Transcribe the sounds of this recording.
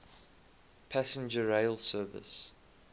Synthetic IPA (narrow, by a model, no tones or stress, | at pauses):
pʰæsə̃nd͡ʒəɹeɪlˠsɜːvɪ̰s